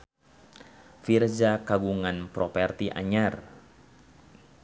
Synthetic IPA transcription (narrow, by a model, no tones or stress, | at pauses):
fird͡ʒakaɡuŋanpɾɔpɛrt̪iʔa̰ɲar